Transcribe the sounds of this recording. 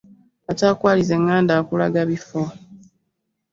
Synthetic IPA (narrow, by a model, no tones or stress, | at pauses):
ataːkwaːlize̞ŋːaːndaːkula̰ɡaβifo